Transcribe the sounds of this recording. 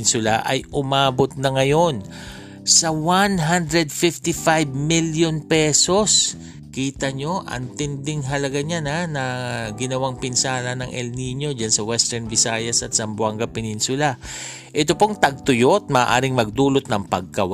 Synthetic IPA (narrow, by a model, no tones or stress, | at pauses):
nsʊlaʔɐ̰jʔʊmaːbot̪̚nɐŋɐjo̞n | sɐwanɦand̪ɾɛd̪̚fɪft̪ɪfajbmiljonpɛso̞s | kiːt̪ɐɲo̞ʔɐ̰nt̪ɪnd̪ɪŋɦɐlɐɡaɲananɐɡɪnɐwaŋpɪnsaːnɐnɐŋʔɛlniɲo̞d͡ʒansɐwɛst̪ɛɹnvɪsajɐsɐt̪sɐmbʊwaŋɡɐpɪninsʊla | ʔɛt̪opo̞ŋt̪ɐɡ̚t̪ʊjot̪̚maʔːʔa̰ːɾɪŋmɐɡ̚d̪uːlot̪̚nɐŋpɐɡ̚kɐwa